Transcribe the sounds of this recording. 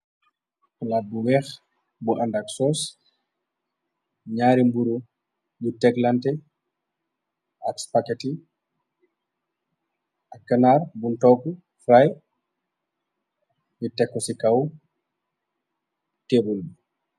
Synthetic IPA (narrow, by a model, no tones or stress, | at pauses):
ulaːt̚buwɛx | buʔandaksɔːs | ɲaːɾimbuɾu | jutɛklantɛ | ʔakspakɛti | ʔakːanarbuntɔku | fɾaj | jutɛkːɔsikaw | tebulbu